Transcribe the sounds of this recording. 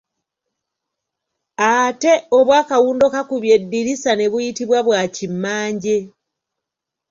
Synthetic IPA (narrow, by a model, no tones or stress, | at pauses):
ate̞oβwaːkawuːndo̞kakuβje̞dːiɾisane̞βujitiβwaβwaːcimːaːɲɟe